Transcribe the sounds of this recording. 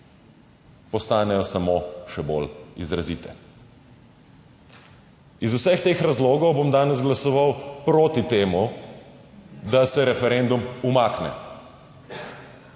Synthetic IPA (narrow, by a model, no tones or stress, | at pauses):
pɔst̪aːnɛjɔsamoʃɛbo̰lizɾaziːt̪ɛ̰ | izusɛxt̪eːxɾazloːɡɔwbomd̪aːnɛzɡlasɔʋawpɾoːt̪it̪eːmu | d̪asɛɾɛfɛɾend̪umumaːknɛ̰